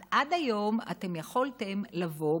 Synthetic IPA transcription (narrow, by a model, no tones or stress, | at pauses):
ʔadajo̞ma̰te̞mjaχoltemlavo̞